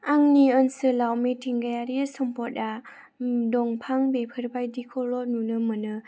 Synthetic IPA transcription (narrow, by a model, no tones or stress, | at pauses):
aŋniɯnsɯlawmitʰiŋɡajaɾiasɔmpɔt̚a | dɔŋpʰaŋbepʰɯɾbajdikʰɔlɔnunɯmɯnɯ